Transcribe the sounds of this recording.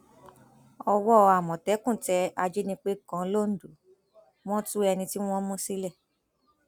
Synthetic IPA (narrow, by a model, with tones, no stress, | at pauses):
ɔ˧wɔ˦˧a˨mɔ̃˨tɛ˨˦kũ˦˨tɛ˨˧˦a˧d͡ʒe˦nĩ˧k͡pe˦kã˨˦lo˦˨n̩˨du˨˦ | w̃ɔ̃˦tu˦ɛ˧nĩ˧ti˦w̃ɔ̃˦mũ˦si˦lɛ˦˨